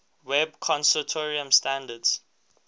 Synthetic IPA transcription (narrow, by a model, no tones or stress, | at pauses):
wɛb̚kʰɔ̃nsutʰoɹiə̃mstãndəds